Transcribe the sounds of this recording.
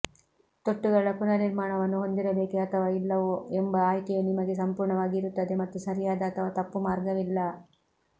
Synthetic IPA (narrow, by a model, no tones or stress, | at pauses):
t̪oʈːuɡɐɭɐɭɐpunːɐniɾmaːɳɐʋɐnːuɦo̞nd̪iɾɐbe̞ːkeɐt̪ʰɐʋaːilːɐʋoːembɐaːjk̪ɛjenimɐɡesɐmpuːɾɳɐʋaːɡiːɾut̪ːɐd̪emɐt̪ːusɐɾijaːd̪ɐːt̪ʰɐʋaːt̪ɐpːumaːɾɡɐʋilːɐ